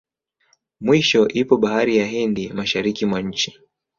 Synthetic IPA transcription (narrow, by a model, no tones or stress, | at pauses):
mwiʃɔʔipɔɓahaɾijaɦɛndimaʃaɾikimwaɲ̩t͡ʃi